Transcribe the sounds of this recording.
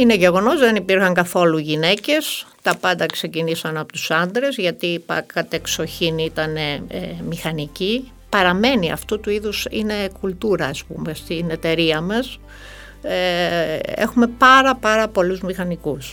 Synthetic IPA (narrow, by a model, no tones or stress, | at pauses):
ine̞ʝe̞ɣo̞no̞zðe̞nipiɾxɐŋkɐθo̞luʝine̞ce̞st̪ɐpɐnd̪ɐkse̞cinisɐnɐpot̪u̥sɐnd̪ɾe̞zʝɐt̪ipɐ̰kɐt̪ekso̞çiniit̪ɐne̞mixɐnici | pɐɾɐme̞niɐ̰ft̪ut̪uiðusḭne̞kult̪uɾɐːspṵme̞st̪ine̞t̪e̞ɾiɐmɐs | ḛxume̞pɐɾɐpɐɾɐpo̞luzmixɐnikus